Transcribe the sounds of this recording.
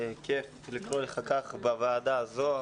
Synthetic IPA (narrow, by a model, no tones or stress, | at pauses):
kef | likʁoleχakaχbavaːd̪azo